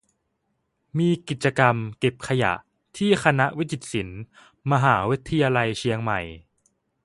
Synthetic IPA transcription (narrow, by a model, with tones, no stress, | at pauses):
miː˧ki˨˩t̪̚t͡ɕa˧ka˧mke˨˩p̚kʰa˧ja̰˨˩ʔ | t̪ʰiː˥˩xʰa˧na˦˥ʔwi˦˥i˨˩t̪̚si˩˦n | ma˧ɦaː˩˦wi˦˥t̪ʰːa˧jaː˧la˧jt͡ɕʰi˧əŋma˨˩j